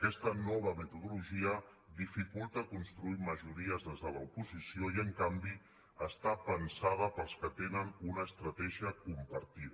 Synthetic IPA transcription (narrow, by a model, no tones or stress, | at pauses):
kɛst̪ənɔβ̞əmət̪uðuluʒiə | ðifikulˠt̪əkunst̪ɾuiməʒuɾiəzðezðələupuzisioiəŋkambi | əst̪apənsað̞əpəlˠskət̪enənunəːst̪ɾət̪ɛʒiəkumpəɾt̪iðə